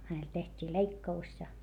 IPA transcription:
hænel tehtʲiː leikːɑus jɑ

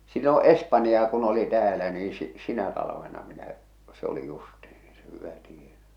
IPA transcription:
silːõː espɑnjɑː kun oli tæːlæ niː si sinæ tɑlɑʋenɑ minæ se oli justih̞i̥ se hyʋæ tienæ

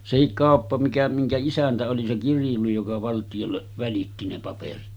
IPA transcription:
sehik kɑˑopːɑ mikæ miŋkæ isæntæ oli se kirjuli jokɑ ʋɑltijolːeʔ ʋælitːi ne pɑperit

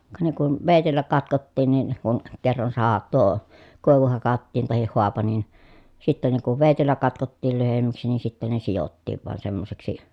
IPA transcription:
kɑ ne kun ʋeˑitelːæ kɑtkotːiːn nin kun kerːɑn sɑhɑ tuo koˑi̯ʋu hɑkɑtːiːn tɑhih hoɑpɑ nin sitːæ ne kuʋ ʋeˑitelːæ kɑtkotːiːl lyhemːæksi niː sitːen ne sijotːiːʋ ʋɑn semːoseksi

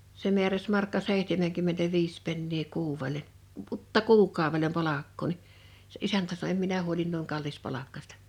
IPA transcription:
se mi̞æræs mɑrkːɑ seˑihtemeŋkymːentæʋiːs penːiː kuːwːele pʔutːɑ kuːkˑɑˑoʋelem pɑlɑkːoː ni se ʔisæntæ sɑno em minæ huolin nuiŋ kɑlːispɑlɑkːɑsʲtɑ

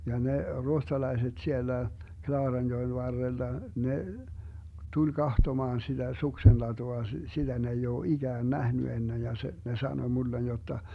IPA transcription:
jɑ ne ruohtɑlɑiset sielːæ klɑːrɑnjoen ʋɑrːelːɑ ne tulʲ kɑhtomɑːn sid̥æ suksenlɑtuɑ sitæ ne ei oː iɡ̊æːn næhny enːej jɑ se ne sɑnoĭ mulːen jotːɑ

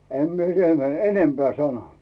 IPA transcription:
em mie siːtæ m enempeæˑ sɑno

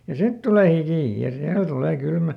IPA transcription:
jɑ sit tuleˑ hikiˑ jɑ silːo tuleː kylmæ

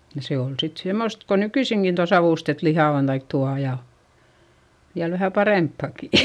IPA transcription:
jɑ se ol sit semost ko nykyisiŋkin tuɑ sɑʋuˑstet lihɑˑ on tɑik tuɑ jɑ jɑ ʋæhæ pɑrempːɑˑki

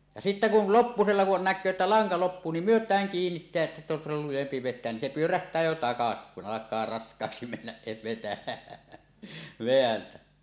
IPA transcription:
jɑ sitːæ kul lopːuselːɑ kun nækˑøː etːæ lɑŋkɑ lopːuː nim myøtˑæːŋ kiːnːitːeæʔ ʔetːæ se on silːol lujempi ʋetˑeæn nin se pyøræhtˑæː jo tɑkɑsi kun ɑlɑkˑɑː rɑskˑɑːksi menːæs se ʋetæ ʋeæntæ

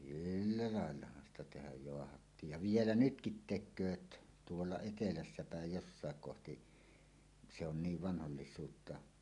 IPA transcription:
silːæ lɑˑelːɑhɑn stɑ tehæj joɑhɑtːiːj jɑ ʋielæ nytkit tekˑøːt tuolːɑ etelæsːæ pæˑej josːɑˑek kohti se on niːʋ ʋɑnholːisˑuːtːɑ

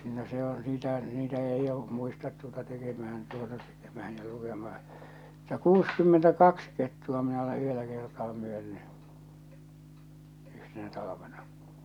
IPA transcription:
no se o niːtæ niːtæ eij jo muistɑt tuotɑ tekemæhæn tuotɑ tekemæhæn jɑ lukemɑhɑ̥ mutːɑ kuːskymːentækɑks ketːuɑ minæ ole yhelːæ kertɑː myønːy yhtenæ tɑlɑʋenɑ

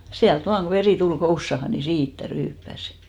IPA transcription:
siælt ʋɑːŋ ɡ̊o ʋeriˑ tul kousːɑhɑ ni siːtːæ ryːpːæs

